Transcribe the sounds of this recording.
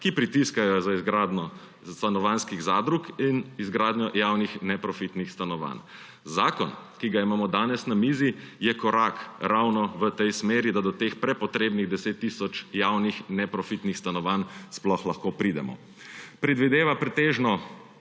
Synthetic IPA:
kipɾit̪iskajɔzaizɡɾaːd̪nɔ | st̪anɔʋanskiɣzaːd̪ɾukinizɡɾaːd̪ɲɔjaːwnixnɛpɾɔfit̪nixst̪anɔʋa̰n | zaːkɔnkiɡaimaːmɔd̪aːnɛsnamiːzijɛkɔɾakɾawnɔʋət̪ɛjsmeːɾid̪ad̪ɔt̪eːxpɾɛpɔt̪ɾeːbniɣd̪ɛseːt̪ːisɔt͡ʃjawnixnɛpɾɔfit̪nixst̪anɔʋansplɔxlaxkopɾid̪ɛmɔ̰ | pɾɛd̪ʋid̪eːʋapɾɛt̪eːʒnɔ

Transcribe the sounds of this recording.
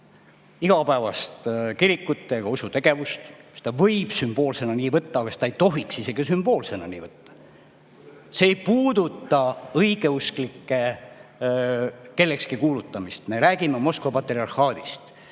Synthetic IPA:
iɡ̥ɑpæːvɑst̪kiɾikːut̪ːˑeɑɡ̥ɑusut̪eɡ̥e̞vust̪se̥t̪ɑvɤjb̥symb̥o̞ːlse̞nɑniːvɤt̪ːɑːɡɑse̥ɑejt̪o̞ɦiksise̞ɡ̥isymb̥o̞ːlse̞nɑ̰nḭːvɤt̪ːɑ̥ | seːjpuːd̪ut̪ːˑɑɤiɡ̥e̞usklikːe̞ | ke̞lːe̞kskikuːlut̪ːˑɑmist̪me̞ɾæːɡ̥imemo̞skvɑpɑt̪ːˑeriɑrhɑːd̪̥ist̪

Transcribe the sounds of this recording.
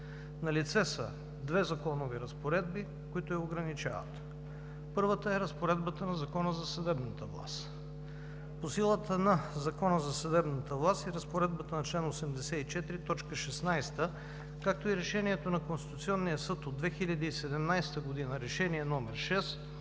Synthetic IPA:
nɐlit̪sɛsə̰ | d̪vɛzɐkɔnoviɾɐspoɾɛd̪̚bi | kʊit̪ʊjɐoɡɾɐnit͡ʃa̰və̰t̪ | pɤɾvət̪əɛɾəspoɾɛd̪bət̪ənɐzɐkɔnəzɐsɐd̪ɛbnət̪əvlˠa̰st̪ | posilˠət̪ənɐzɐkɔnəzɐsɐd̪ɛbnət̪əvlˠast̪iɾəspoɾɛd̪̚bət̪ənɐt͡ʃlɛnosɛmd̪ɛsɛit͡ʃɛt̪iɾit̪ɔt͡ʃkəʃɛsnajst̪ə | kak̚t̪oiɾɛʃɛniɛt̪onɐkõnst̪i̥t̪ʊt̪siɔnːijəsɤt̪od̪vɛxilʲɐd̪iisɛd̪ɛmnajst̪əɡod̪inəɾɛʃɛniɛnɔmɛɾʃɛs

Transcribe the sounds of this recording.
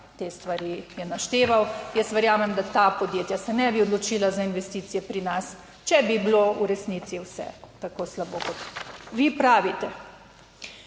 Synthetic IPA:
t̪eːst̪ʋaɾijɛnaʃt̪eːʋawjɛst̪ʋɛɾjaːmɛmd̪at̪apɔd̪jeːt̪jasɛnɛbiɔd̪lɔt͡ʃiːlazainʋɛst̪iːt̪sijɛpɾinas | t͡ʃɛbiblouɾɛsnit̪siwsɛ̰t̪akoːslaboːkɔt̪ʋipɾaːʋit̪ɛ

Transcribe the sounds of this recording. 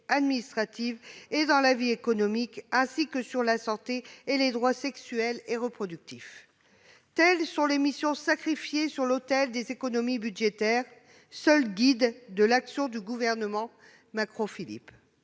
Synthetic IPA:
ad̪minist̪χat̪ived̪ɑ̃laviekɔnɔmikɛ̃sikəsyʁlasɑ̃t̪eːled̪ʁwasɛksyɛleʁəpχɔd̪yk̚t̪if | t̪ɛlsɔ̃lemisjɔ̃sakχifjesyʁlot̪ɛld̪ezekɔnɔmibyd̪ʒet̪ɛʁ | sœlɡʲid̪ːəlaksjɔ̃d̪yɡuvɛʁnəmɑ̃ | makχofilḭp

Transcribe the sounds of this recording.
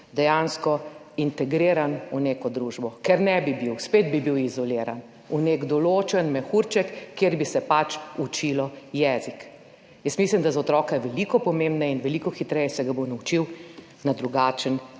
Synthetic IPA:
d̪ɛjanskɔ | int̪ɛɡɾeːɾanuneːkɔd̪ɾuʒbɔkɛɾnɛbibiwsped̪bibiwizɔleːɾa̰n | uneɡd̪ɔloːt͡ʃɛnmɛxuɾt͡ʃɛkːeːɾbisɛpat͡ʃut͡ʃilɔjɛːzik | jəsmislimd̪azɔt̪ɾɔːkɛʋɛlikɔpɔmẽmbnainʋɛlikɔxit̪ɾɛjɛsɛɡabonaut͡ʃiw | nad̪ɾuɡaːt͡ʃən

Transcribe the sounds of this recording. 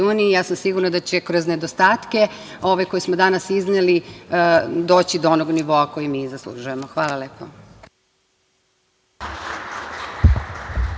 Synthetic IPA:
uːnijijaːsamsiɡuɾnad̪at͡ɕe̞kɾo̞zne̞d̪ost̪aːt̪ke̞o̞ʋeko̞jismod̪anasizneli | d̪o̞ːt͡ɕid̪oonoɡniʋo̞ako̞jimiːzaslˠṵʒuje̞moxʋaːlaleːpo

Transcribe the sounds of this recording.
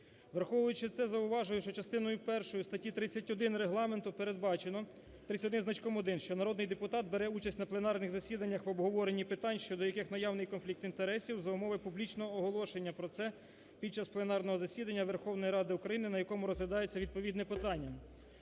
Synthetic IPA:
ʋerxɔʋɔjʊt͡ʃɪt̪sɛzɐʊʋɑʒʊjʊʃt͡ʃɔt͡ʃɐst̪ɪnɔjʊpɛrʃɔjʊst̪ɐtʲit̪ɾɪt͡sʲːɐtʲɔd̪ɪnɾeɦlˠɑme̞nt̪ʊpeɾed̪̚bɑt͡ʃenɔ | t̪ɾɪt͡sʲɐɔd̪ɪnznɐt͡ʃkɔmɔd̪ɪnʃt͡ʃɔnɐɾɔd̪nɪjd̪epʊt̪ɑt̪̚beɾɛut͡ʃɐsʲtʲnɐplˠe̞nɑrnɪɣzɐsʲid̪ɐnʲːɐxʋɔbɦɔʋɔɾe̞nʲːipɪt̪ɑnʲʃt͡ʃɔd̪ɔjɐkɪxnɐjɑwnɪjkɔnflʲik̚t̪int̪eɾɛsʲiwzɐʊmɔʋɪpublʲit͡ʃnɔɦɔːɦɔlˠɔʃenʲːɐpɾɔt̪sɛ | pʲid̪̚t͡ʃɑsplˠe̞nɑrnɔɦɔzɐsʲid̪ɐnʲːɐʋerxɔwnɔjiɾɑd̪ɪukɾɐjinɪnɐjɐkɔmʊɾɔzlʲɐd̪ɑjet͡sʲːɐʋʲid̪̚pɔʋʲid̪nɛpɪt̪ɑnʲːɐ

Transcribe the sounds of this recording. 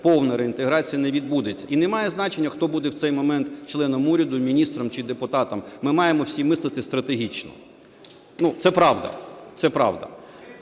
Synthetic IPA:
pɔwnɐɾeint̪eɦɾɑt͡sʲijɐnɛʋʲid̪̚bud̪et͡sʲːɐʔinɛmɑjɛznɑt͡ʃenʲːɐxt̪ɔbud̪ɛwt̪sɛjmɔmɛnt̪t͡ʃlˠɛnɔmuɾʲɐd̪ʊmʲinʲist̪ɾɔmt͡ʃɪd̪epʊt̪ɑt̪ɐmːɪmɑjemɔwsʲimɪslˠɐt̪ɪst̪ɾɐt̪eɦʲit͡ʃnɔ̰ | nut̪sɛpɾɑʋd̪ɐ̰t̪sɛpɾɑ̰ʋd̪ɐ̰

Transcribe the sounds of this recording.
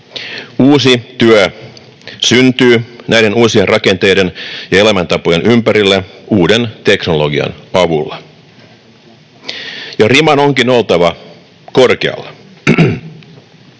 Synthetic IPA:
uːsit̪yæ | synt̪yːnæjde̞nuːsienrɑke̞nt̪e̞jdenjɑe̞læmænt̪ɑpo̞jenʔympæɾilːæuːdent̪e̞kno̞lo̞ɡiɑ̰nɑʋulːɑ | jɑrimɑno̞ŋkino̞lt̪ɑʋɑ | korkeɑ̰lːɑ

